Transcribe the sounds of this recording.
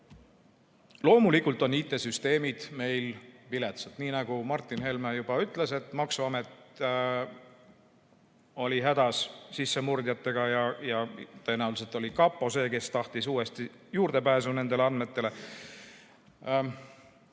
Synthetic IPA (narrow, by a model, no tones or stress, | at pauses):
lo̞ːmulikːˑult̪ˑo̞niːt̪ːˑe̞syst̪e̞ːmid̪̥me̞jlpilet̪set̪niːnɑɡ̥umɑrt̪ːˑinɦe̞lmɑjubɑyt̪ˑle̞se̞t̪ːˑmɑksuɑmet̪ | o̞liɦæd̪̥ɑssisːe̞murd̪̥jɑt̪ːe̞ɡ̥ɑjɑjɑt̪ø̞ːnæwlis̬elt̪ˑolʲikɑpˑːo̞se̞ːke̞st̪ɑht̪isuːe̞st̪i | juːrd̪̥e̞pæːsune̞nd̪e̞leɑnːe̞t̪ːˑe̞le̞